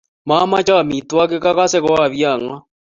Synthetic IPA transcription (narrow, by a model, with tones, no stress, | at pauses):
ma˦ma˦t͡ʃa˦˨mi˨twa˦k̬e˦ka˦ka˦sɛ˦kɔ˦a˦˨βja˦˨ŋa˦